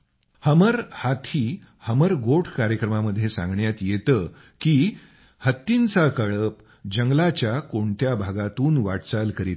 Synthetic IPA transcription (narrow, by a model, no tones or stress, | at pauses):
həməɾhat̪ʰiː | həməɾɡoʈʰkaɾjəkɾəmaməd̪ʱːjesã̰ŋɡɳjat̪jet̪ə | kiː | hət̪ːint͡sakəɭəp | d͡ʑəŋɡlat͡ɕjakoɳt̪jabʱaɡat̪uːnʋaʈt͡salkəɾit̪